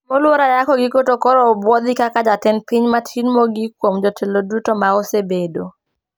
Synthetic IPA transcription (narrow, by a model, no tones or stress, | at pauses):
mɔlwoɾajakɔɡikotokɔɾɔbwɔd̪ɪkakad͡ʒatɛnpiɲmatʰinmɔɡikwomd͡ʒɔtʰelodutomaosebedo